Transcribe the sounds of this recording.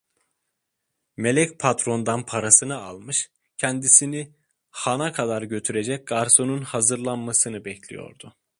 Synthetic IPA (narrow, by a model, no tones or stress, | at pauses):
me̞lʲɛcpʰat̪ɾo̞nd̪anpʰaɾasɯnɯa̰lˠmɯʃ | cʰɛnd̪isini | hanakʰad̪aɾɟø̞t̪ʰyɾe̞d͡ʒɛc̚ɡ̥aɾso̞nunhazɯɾlˠanmasɯnɯbɛcʰlʲḭjo̰ɾd̪ʊ